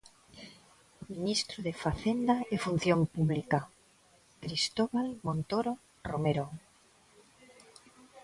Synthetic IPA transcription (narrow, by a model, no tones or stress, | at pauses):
minist̪ɾoðefaθend̪aefun̟θjompuβlika | kɾist̪oβalmõnt̪oɾo | romeɾo